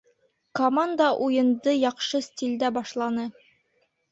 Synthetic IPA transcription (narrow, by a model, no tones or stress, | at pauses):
komand̪ɑʔujɤ̆nd̪ɤjɑqʃɤsʲtʲilʲd̪æbɑʃlˠɑnɤ